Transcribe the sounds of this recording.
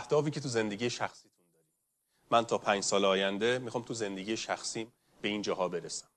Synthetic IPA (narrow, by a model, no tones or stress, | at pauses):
æhd̪̥ɒːfiːcʰe̞t̪ʰuze̞nd̪eɟiːjeʃæxsiːt̪ʰund̪ɒːɾiːm | mænt̪ʰɒːpʰæːnd͡ʒsɒːleɒːjænd̪e̞mixɒːmt̪ʰuze̞nd̪e̞ɟijeʃæxsiːm | b̥e̞iːnd͡ʒɒːɦɒːbe̞ɾesæm